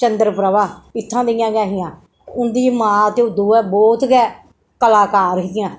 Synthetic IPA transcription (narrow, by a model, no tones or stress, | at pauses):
t͡ʃənd̪əɾpɾəʋaːɪt̪ʰːãːd̪ejãːɡãːɦɪjãː | ʊnd̪iːmãːt̪eːʊd̪uːɛːbɔːt̪ɡɛː | kəlaːkaːɾɪk̪ɪjãː